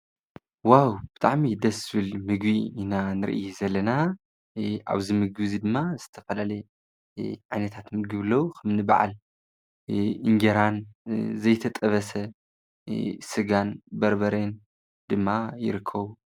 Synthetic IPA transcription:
wawb̥ɨt̪ʰʼaʕmid̪ɐsɨβɨlmɨɡbiinanɨɾɨ̰ʔḭjuzɐlːɐna | ʔa̰βzimɨɡɨzid̪ɨmːazɨt̪ʰɐ̥fɐlalɐj | ʕajnɐt̪ʰat̪mɨɡɨβɨlːɐwukʰɐmnɨba̰ʕa̰l | ʔɨŋɡɐɾanzɐjt̪ʰɐt̪ʼɐβɐsɐ | sɨɡanbɐɾbɐɾen | d̪ɨmːajɪ̰ɾɨkʰːɐβu

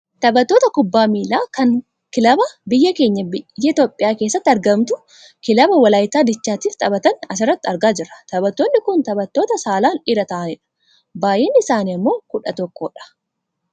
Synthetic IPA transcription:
t̪ɐbɐt̪ːo̞ːt̪ɐkʊbːaːmiːlaːkɐŋ | kɪlɐbɐbɪjːɐke̞ːɲːɐbjːɐɪt̪o̞ːpʼːɪjaːkeːsːɐt̪ːɐɾɡɐmt̪ʊ | kɪlɐbɐwɐlaːjt̪aːd̪ɪt͡ʃːaːt̪iːft̪ʼɐbɐt̪ɐnɐs̬ɪrːɐt̪ːɪɐɾɡaːd͡ʒɪrːɐ̥t̪ɐbɐt̪ːonːɪkʊnt̪ɐbɐt̪ːo̞ːt̪ɐsaːlaːnɪɾɐt̪ɐʔɐnɪᶑɐ̥ | baːje̞ːnːɪɪsaːniɐmːo̞ːkʊᶑɐt̪ɔkːoːᶑɐ̥

